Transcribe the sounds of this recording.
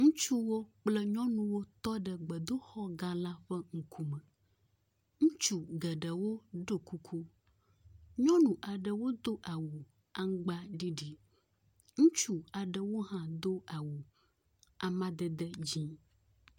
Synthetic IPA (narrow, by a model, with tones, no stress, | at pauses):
ŋũ˦t͡ʃu˦wo˦k͡plɛ˦ɲɔ̃˦nũ˨wo˦t̪ɔ˦ɖə˨ɡ͡bə˨d̪o˦xɔ˦ɡã˦la˦ɸɛ˦ŋ̩˨kʰu˦mə˨ | ŋũ˦t͡ʃu˨ɡɛ˨ɖə˨wo˦ɖo˦ku˦kʰu˦ | ɲɔ̃˦nũ˨ʔa˨ɖə˨wo˦d̪o˦ʔa˨wu˨ | a˦ŋ˦ɡ͡ba˦ɖi˦ɖi˨ | ŋũ˦t͡ʃu˨a˨ɖə˨wo˦ɦã˦d̪o˦a˨wu˨ | a˨mã˦d̪ɛ˨d̪ɛ˦d͡ʑĩ˦